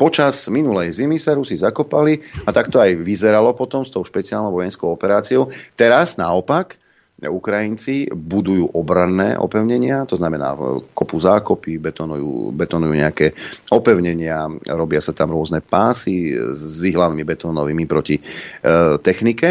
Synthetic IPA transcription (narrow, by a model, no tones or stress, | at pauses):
pɔt͡ʃaz̥minulɛjzimisaɾusizakɔpaliat̪akt̪ɔajʋizɛɾalɔpɔt̪ɔmst̪ɔʊʃpɛt͡sialnɔ̃ʊʋɔjɛnskɔʊɔpɛɾaːt͡siɔʊt̪ɛɾaz̥naɔpak | ukɾajint͡sibud̪ujuːʔɔbɾanːɛ̰ːʔɔ̰pɛʊɲɛɲɪat̪ɔznamɛna̰ːkɔpuzaːkɔpibɛt̪ɔnṵjṵːbɛt̪ɔnujuːɲɛakɛːɔpɛʊɲɛɲɪaɾɔbɪasat̪amɾʊɔznɛpaːsizzʋiɦlanimibɛt̪ɔːnɔʋiːmipɾɔci | t̪ɛxnikɛ